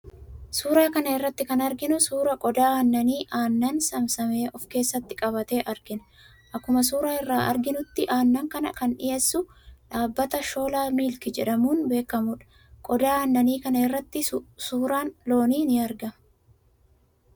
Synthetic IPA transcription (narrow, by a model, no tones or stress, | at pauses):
suːɾaːkɐnɐɪrːɐt̪ːɪkɐnɐɾɡɪnʊsuːɾɐkʼɔd̪aːaːnːɐniːʔaːnːɐnsɐmsɐme̞ːʔɔfke̞ːsːɐt̪ːɪ̥kʼɐβɐt̪eːʔɐɾɡɪn | ʔɐkːʊmɐs̬uːɾaːɪrːaːʔɐ̰ɾɡɪnʊt̪ːɪʔaːnːɐŋkɐnɐ̰kɐnᶑɪ̰jeːsːʊᶑaːbːɐt̪ɐʃo̞ːlaːmiːlkɪd͡ʒɛᶑɐmuːnbe̞ːkːɐmʊᶑɐ̥ | kʼɔd̪aːaːnːɐniːkɐnɐɪrːɐt̪ːɪsuːɾaːnlo̞ːniːnɪɐɾɡɐmɐ